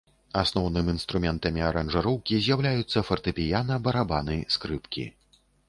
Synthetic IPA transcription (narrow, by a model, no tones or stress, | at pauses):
asnɔwnɨminst̪ɾumʲɛnt̪ɐmʲiaɾɐnʐaɾɔwkʲizʲjawlʲajut̪sːɐfɐrt̪ɨpʲijanɐbɐɾabanɨskɾɨpkʲḭ